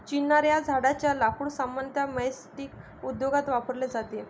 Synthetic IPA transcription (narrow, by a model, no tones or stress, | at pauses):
t͡ɕinːaɾjad͡zʱaɽat͡ɕjalakuɽsamant̪ʰjaməjsʈik | ud̪joɡat̪ʋapəɾled͡zat̪e